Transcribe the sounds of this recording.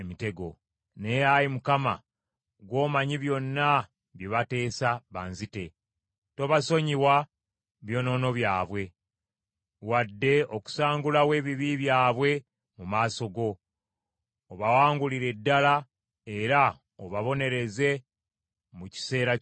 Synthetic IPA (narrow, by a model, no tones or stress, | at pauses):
mite̞ɡo̞̰ | ne̞jajimukama̰ | ɡwo̞ːmaɲiβjo̞nːa | βjiβate̞ːsaβaːnzite̞ | to̞βaso̞ɲiwa | βjo̞ːno̞ːno̞βjaːβwe̞ | wadːe̞oku̥saːŋɡulawe̞ːβiβiβjaːβwe̞ | mumaːso̞ɡo̞ | βawaːŋɡuliɾe̞dːala | e̞ɾa | oβaβo̞ne̞ɾe̞ze̞ | muci̥se̞ːɾa